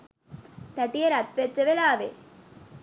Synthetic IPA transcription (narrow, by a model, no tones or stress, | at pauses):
t̪æʈijɐɾɐt̪ʋet͡ʃːɐʋelaːʋe